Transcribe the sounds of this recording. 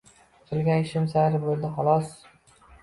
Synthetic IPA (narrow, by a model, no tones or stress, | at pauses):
tʰɨlˠɡʲanɪʃɪmsaɾɪbolˠd̪ɪχɒlˠɒs